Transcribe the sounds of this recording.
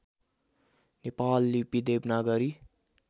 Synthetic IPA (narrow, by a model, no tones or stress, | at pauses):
nepalːipid̪ebnaɡʌɾi